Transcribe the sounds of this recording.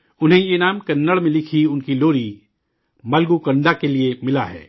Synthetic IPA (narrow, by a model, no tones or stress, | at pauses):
ʊnɦẽjenaːmkɐnːəɭmẽlɪkʰiʊnkiloːɾi | mɐlɡukɐ̃ɳɖakeliemɪla̰ɦɛ̰ː